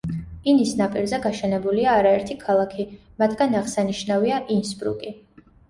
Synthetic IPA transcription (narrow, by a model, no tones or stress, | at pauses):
inisnapʼiɾzɛɡaʃɛnɛbuliaːɾaɛɾt̪ʰikʰalˠakʰi | mat̪ʰɡanaʁsaniʃnaviaʔinspʼɾṵkʼi